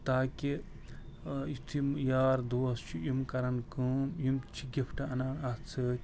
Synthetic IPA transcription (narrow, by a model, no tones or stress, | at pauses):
t̪aːki | ist̪ʰimjaːɾd̪oːst͡ʃʰijumkɐɾɐnkɨmjumt͡ʃʰiɡʲipʰʈaɐnaːnɐt͡sʰɨtʲ